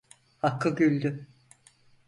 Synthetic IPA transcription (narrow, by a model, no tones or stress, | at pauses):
hakːɯɟylʲd̪y